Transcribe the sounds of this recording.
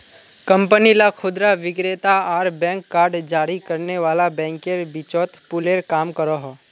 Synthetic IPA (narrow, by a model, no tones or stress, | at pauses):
kɐ̃mpənilakʰʊd̪ɾaʋɪɡɾeːt̪aaːɾbɛ̃ːŋkːaːɾɖd͡ʒaːɾikəɾneʋaːlabɛ̃ːŋkeɾbɪt͡ʃɔːt̪pʊleːɾkaːmkəɾoɦɔː